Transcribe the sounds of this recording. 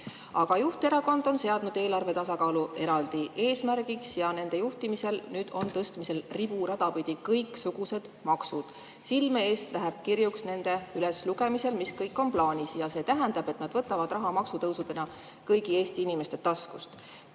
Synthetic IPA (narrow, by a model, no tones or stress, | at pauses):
ɑɡ̥ɑjuht̪e̞ɾɑko̞nd̪̥o̞nse̞ɑd̪̥nud̪e̞ːlɑrve̞t̪ɑsɑkɑːluʔe̞ɾɑld̪iʔe̞ːsmæɾɡ̥iksjɑne̞nd̪̥e̞juht̪imise̞lnyːd̪̥o̞nt̪ɤst̪mise̞lrib̥uɾɑd̪̥ɑpid̪̥ʲikɤjksuɡ̥use̞d̪̥mɑksud̪̥ | silmeeːst̪læɦeb̥̚kiɾjuksne̞nd̪̥e̞ylesluɡe̞mise̞lmiskɤjkːˑo̞nplɑːnʲisjɑse̞ːt̪æɦænd̪ɑb̥e̞t̪nɑd̪vɤt̪ːˑɑvɑd̪rɑɦɑmɑksut̪ɤwsud̪e̞nɑ | kɤjɡie̞ːst̪iinime̞st̪e̞t̪ɑskust̪